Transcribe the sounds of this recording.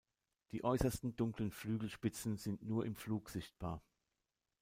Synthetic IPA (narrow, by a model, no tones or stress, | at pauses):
d̥iːʔɔʏsɐstn̩dʊŋklənflyːɡl̩ʃpɪt͡sn̩zɪntnuːɐʔɪmfluːkz̥ɪçt̚b̥a̰ːɐ